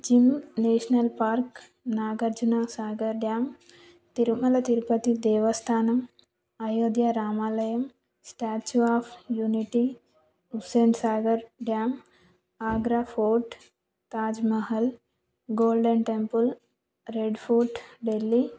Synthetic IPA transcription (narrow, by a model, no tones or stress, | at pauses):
d͡ʒimneːʃnɐlpaːɾk | naːɡɐɾd͡ʒunasaːɡɐɾɖjaːm | t̪iɾmɐlɐt̪iɾpɐt̪id̪eːʋɐst̪ʰaːnɐm | ajoːd̪jaɾaːmaːlɐjɐm | sʈaːt͡ʃuaːfʰjuniʈi | useːɳsaːɡɐɾɖjaːm | aːɡɾaːfʰoːʈ | t̪aːd͡ʒmɐɦɐl | ɡoːlɖɐɳʈempul | ɾeɖfʰuʈɖelːi